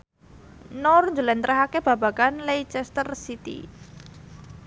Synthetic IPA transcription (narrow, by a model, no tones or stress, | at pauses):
nɔrɲd͡ʒulɛnt̪ɾʔəɦakeb̥a̤b̥a̤kanlejt͡ʃɛst̪ərsit̪ḭ